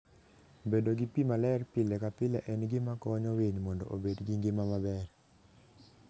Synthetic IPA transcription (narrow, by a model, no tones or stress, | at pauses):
bedoɡipimalɛrpɪlɛkapɪlɛʔɛnɡɪmakɔɲɔweɲmɔndɔ̰ʔobedɡiŋɡɪmamabɛr